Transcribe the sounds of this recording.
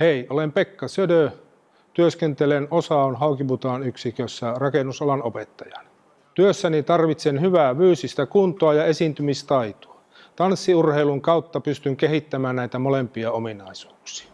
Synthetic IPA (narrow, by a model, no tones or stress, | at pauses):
heiolempekːɑsødø | t̪yøskent̪elenosɑonhɑukibut̪ɑːnyksikøsːærɑkenusɑlɑnopet̪ːɑjɑn | t̪yøsːænit̪ɑrʋit̪senhyʋæːʋyːsist̪ækunt̪oɑjɑesint̪ymist̪ɑit̪u̥ɑ | t̪ɑnsːiurheiluŋkɑut̪ːɑpyst̪yŋkehit̪ːæmæːnnæit̪æmolempiɑominɑisu̥ːksi̥ɑ̥